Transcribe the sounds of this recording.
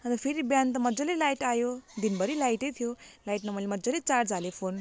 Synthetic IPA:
ʌnt̪ʌpʰeɾibjant̪ʌmʌd͡zʌlelajʈajod̪inbʌɾilajʈejt̪ʰijolajʈnʌmʌlemʌd͡zʌlet͡sard͡zalepʰon

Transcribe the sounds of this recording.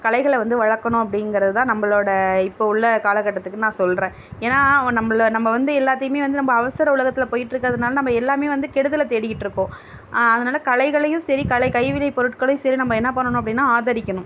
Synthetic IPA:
kɐɭɐɪɣɐɭɛʋɐnd̪ɯʋɐɻɐkːɐɳʊ̃ɐp̬ːɐɽɪnɡɪɾɐðɯt̪ãːnɐmːɐɭoːɽɐɪpːoːʊɭːɐkaːlɐkːɐʈːɐt̪ːɯkːɯnãːsɔlrẽː | eːnaːnɐmːɐɭnɐmːɐʋɐnd̪ɯɛlːaːt̪ːɐjɯmeːʋɐnd̪ɯnɐmːbɐɐʋɐsɐɾɐʊlɐɣɐt̪ːɪlɐpoːjɪʈːɾɯkːɐðɐnaːlɐnɐmːɐɛlːaːmeːʋɐnd̪ɯkɛɽɯðɐlɐt̪eːɽɪjɪʈːɾɯkːõː | ɐðɐnaːlɐkɐlɐɪɣɐɭɐjʊ̃sɐɾikɐɭɐɪkɐɪʋɪlɐɪpɔɾɯʈkɐɭɐj̃sɐɾinɐmːɐɛnːɐpɐɳːɐɳʊ̃ɐp̬ːɐɽɪnːaːaːðɐɾɪkʲːɐɳʊ̃

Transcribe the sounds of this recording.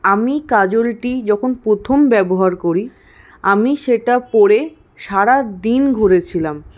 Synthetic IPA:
amikad͡ʑolʈid͡ʑɔkʰonpɾot̪ʰombɛboɦaɾkoɾi | amiʃeʈapɔɾe | ʃaɾad̪inɡʱoɾet͡ɕʰilam

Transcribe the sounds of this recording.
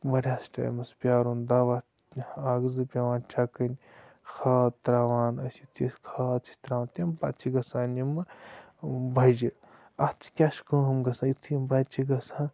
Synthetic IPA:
mɐɾʲaːsʈa̰ːj̰mɐspʲjaːɾund̪aːʋa | aːɡzɨpʲaʋaːnt͡ʃʰakɐnʲ | xʰaːt̪ɾaːʋaːnɐsit̪iskʰat͡sʰi̥t̪ɾaʋaːnt̪imbat͡sʰiɡɐsaːnimɨ | bɐd͡ʒi | at͡sʰi̥kʲaːskəɦɐmɡɐsʰãːit̪ʰimbat͡ʃʰiɡɐsãː

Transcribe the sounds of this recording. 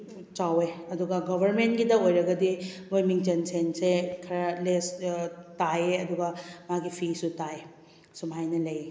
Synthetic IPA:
t͡ʃaweɐduɡɐɡɔbʱɐɾmentɡidɐojɾɐɡɐdimojmiŋt͡ʃensensekʰɐɾɐlestajeɐduɡɐmaɡipʰisutae | sumajnɐlɐje

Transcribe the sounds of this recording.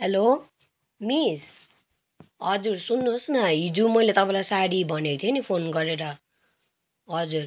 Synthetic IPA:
helo | mis | ʌd͡zuɾsunːusnʌɦid͡zumʌjlet̪ʌpãlajsaɽibʱʌnekt̪ʰjenipʰonɡʌɾeɾʌ | ɦʌd͡zur

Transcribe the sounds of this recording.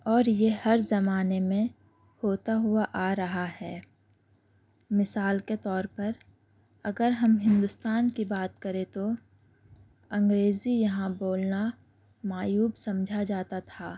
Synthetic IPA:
ɔːɾjehɐɾzɐmaːnemẽ | hoːt̪aɦʊaʔaːɾɐɦahɛː | mɪsaːlket̪ɔːɾpɐɾ | ɐɡəɾɦɐmɦɪ̃nd̪ʊst̪aːnkibaːt̪kɐɾẽt̪o | ɐ̃ŋɡɾeːzijɐɦãboːlna | maːjuːbsɐ̃md͡ʒʱad͡ʒaːt̪at̪ʰaː

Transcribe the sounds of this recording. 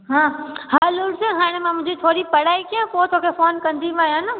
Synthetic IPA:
ɦãːɦaːlʊlɖseɦaːɽ̃emãmʊ̃ɦɪ̃d͡ʑit̪ʰoːɽipɐɽaːikiãpoːt̪oːkʰefoːnkɐ̃nd̪iʋãːjãːnə

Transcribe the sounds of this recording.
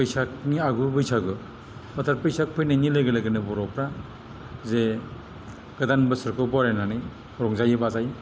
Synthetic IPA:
pɯjsak̚niaɡubɯjsaɡɯ | ɔtʰaɾpɯjsak̚pʰɯjnajnilɯɡɯlaɡɯnɯbɔɾɔpɾa | ze | ɡ̥ɯdanbɯsɯɾkʰɯbɔɾenanɯj | ɾɔŋzajɯbazaj

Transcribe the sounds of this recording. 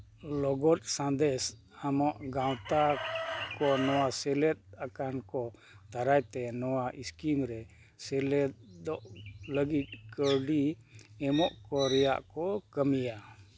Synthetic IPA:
lɔɡɔt̚sãnd̪ɛs | amɔʔɡawt̪akɔnɔwasɛlɛt̪̚akankɔ | t̪aɾajt̪ɛnɔwaʔiskimɾɛ | sɛlɛt̪̚d̪ɔʔləɡit̪̚kəɾɖiɛmɔʔkɔɾɛja̰ʔkɔkəmija

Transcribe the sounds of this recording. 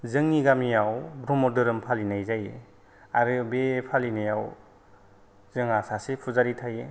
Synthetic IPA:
zɯŋiɡamijawbɾɔmɔdɯɾɯmpʰalinajzajḛ | aɾɯbepʰalinajaw | z̥ɯŋasasepʰuzaɾitʰaje

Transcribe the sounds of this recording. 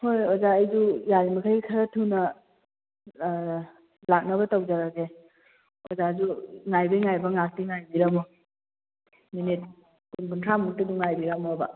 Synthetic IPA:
hojɔzaajzujaɾimɐkʰajkʰaɾɐtʰunɐ | lak̚nɐbɐtawd͡ʒaɾaɡe | ozazuŋajbajŋajbɐŋak̚tiŋajbiɾamɔ | minit̚ | kunbɯŋkʰamuk̚tɯduŋajbiɾamɔaba̰

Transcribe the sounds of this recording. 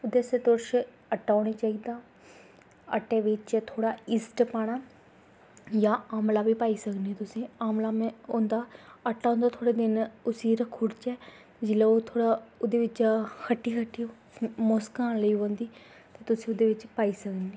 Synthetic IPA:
ʊd̪eset̪ʊɾʃ | əʈːaːoɽeːt͡ʃaːiːd̪aː | əʈeːʋɪt͡ʃt̪ʰoːɽaːɪsʈpaːɽ̃aː | jãːaːmlaːʋiːpaːiːsəkneːt̪ʊsĩːaːmlaːmẽõːnd̪aːəʈːaːõːnd̪aːt̪ʰoːɽeːd̪ɪnʊsiːɾəkʰʊːɽt͡ʃɛː | d͡ʒɪlɛoːt̪ʰoːɽaːod̪eːʋɪt͡ʃkʰəʈːiːkʰəʈːiːoː | moːskãːnləiːɦõːnd̪iː | t̪eːt̪ʊsĩːʊd̪eːʋɪt͡ʃpaːiːsəkneː

